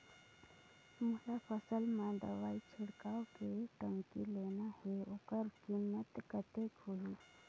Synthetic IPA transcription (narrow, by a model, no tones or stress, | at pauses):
mʊlafəsəlmãd̪ɐ̰ʋaːit͡ʃʰɪɽkaːokeʈəŋkileːnaheʊkəɾkimːət̪kət̪eːkhuiː